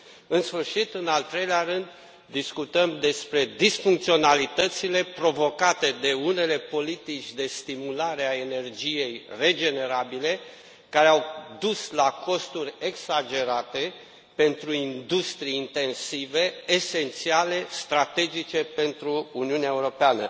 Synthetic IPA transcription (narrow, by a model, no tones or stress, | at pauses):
ɨnsfɨrʃit̪ɨnalt̪ɾe̞jleaɾɨnd̪ː | iskut̪əmd̪e̞spɾe̞d̪isfuŋk̚t̪sio̞nalit̪ət̪sile̞pɾo̞vo̞kat̪e̞d̪e̞une̞le̞po̞lit̪it͡ʃʲd̪e̞st̪imulaɾe̞aene̞rd͡ʒije̞jre̞d͡ʒe̞ne̞ɾabile̞ | kaɾeawd̪uslako̞st̪uɾʲeɡsad͡ʒe̞ɾat̪e̞ | pe̞nt̪ɾuind̪ust̪ɾiint̪e̞nsive̞ːse̞nt̪siale̞st̪ɾat̪e̞d͡ʒit͡ʃe̞pe̞nt̪ɾuːniuneaeuɾo̞peanə